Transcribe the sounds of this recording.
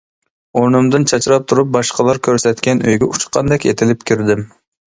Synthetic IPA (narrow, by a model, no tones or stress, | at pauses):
oɾnɨmd̪ɨnt͡ʃʰɑt͡ʃɾɑp̚t̪ʰuɾup̚bɑʃqɑlˠɑɾkʲʰøɾsɛt̪kʲɛnøjɡʲɛut͡ʃqʰɑnd̪ɛkʲet̪ʰɪlɪpkʲʰyɾd̪ɪm